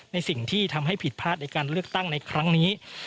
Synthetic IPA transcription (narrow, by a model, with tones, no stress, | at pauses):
na˧jsi˨˩ŋt̪ʰiː˥˩t̪ʰa˧mɦa˥˩jpʰi˨˩t̪̚pʰaː˥˩t̪̚na˧jkaː˧nɾɯ˥˩ək̚t̪a˥˩ŋna˧jkʰɾa˦˥ŋniː˦˥